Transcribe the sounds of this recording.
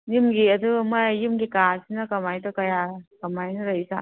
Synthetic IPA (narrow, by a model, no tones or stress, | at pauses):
jimɡiɐdumajimɡikasinɐkɐmajtɔkɐjakɐmajnɐɾajsa̰